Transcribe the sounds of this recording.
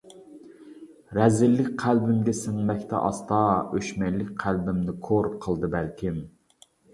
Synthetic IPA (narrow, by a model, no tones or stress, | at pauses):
ɾɛzɪlːɪkʲqʰælbɪmɡʲɛsɪŋmɛkʲt̪ʰɛ̰ʔɑ̰st̪ɑøʃmɛjlːɪk̚ʲqʰælbɪmnɪkʰoɾqʰəlˠd̪ɨbælkʲim